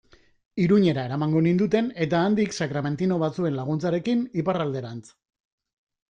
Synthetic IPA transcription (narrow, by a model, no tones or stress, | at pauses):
iɾuɲe̞ɾae̞ɾamaŋɡo̞nind̪ut̪e̞ne̞t̪aːnd̪iksakɾame̞nt̪ino̞βat͡sue̞nlaɣ̞unt͡saɾe̞kiniparald̪e̞ɾant͡s